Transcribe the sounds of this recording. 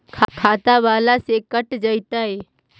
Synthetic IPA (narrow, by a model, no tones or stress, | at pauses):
kʰakʰaːt̪abaːlasekəʈd͡ʒəjt̪aɦe